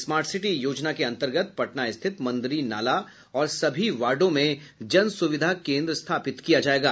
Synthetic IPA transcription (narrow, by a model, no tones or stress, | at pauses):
smaːɾʈsɪʈijoːd͡ʒnakeɐ̃nt̪əɾɡət̪pɐʈnaɪst̪ʰɪt̪mɐ̃nd̪ɾina̰ːla | ɔːɾsɐbʱiʋaːɾɖõmẽd͡ʒɐnsʊʋɪd̪ʱakẽːnd̪ɾəst̪ʰaːpɪt̪kijad͡ʒaːeːɡaː